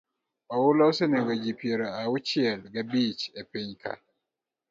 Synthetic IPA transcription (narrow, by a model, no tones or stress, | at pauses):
ɔwulɔwsɛnɛwed͡ʒipieɾaawut͡ʃiɛlɡabit͡ʃepeɲkʰa̰